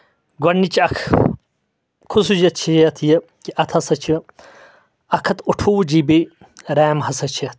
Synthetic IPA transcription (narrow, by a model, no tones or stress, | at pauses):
ɡwɐnːit͡ʃɐkʰ | kʰusud͡ʑɐt͡ʃʰijɐt̪ʰjɐ | kiʔɐt̪ʰɐsɐt͡ʃʰi | ɐkʰɐt̪uʈʰuːd͡ʑibi | ɾaːmhɐsɐt͡ʃʰiɐt̪̚